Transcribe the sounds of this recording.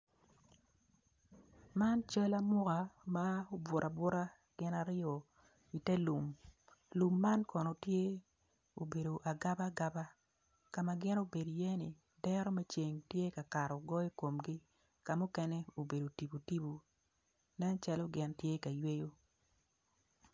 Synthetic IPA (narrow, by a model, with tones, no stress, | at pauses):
ma˦nt͡ʃə˦la˦mʊ˦ɣa˨ma˦o˦bwʊ˨ɾʔa˨bʊ˦ɾa˦ | ɡ̥ɪ˦na˦ɾɪɔ˨ | i˨tɛ˦lu˨m | lu˨mːa˦nkɔ˨no˨tje˦ | o˨be˨do˨ʔa˨ɡa˦ba˦ɡa˦ba˦ | ka˨ma˨ɡɪ˦no˦be˨do˨jɛ˦nɪ˨ | dɛ˦ɾɔ˦mɛ˦t͡ʃe˨ŋtje˦ka˨ka˨ɾɔ˨ɡɔ˦i˦ko˨mɡi˦ | ka˨mu˦kɛ˦nɛ˦o˨be˨do˨ti˨bu˨ti˦bu˨ | nɛ˦nt͡ʃa˦lo˦ɡɪ˦ntje˦ka˨jwe˦jo˦